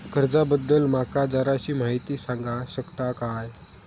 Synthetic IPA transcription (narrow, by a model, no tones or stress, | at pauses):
kəɾd͡zabəd̪ːəlmakad͡zaɾaɕiːm̤aɦit̪iːsaŋɡãɕəkt̪akaj